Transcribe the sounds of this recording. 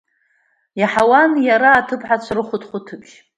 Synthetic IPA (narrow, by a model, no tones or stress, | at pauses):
jaħawanjaɾaːtʰɨpʰʼħat͡ɕʷʰarɨχʷʊtʰʼχʷʊtʰɨkʲʼ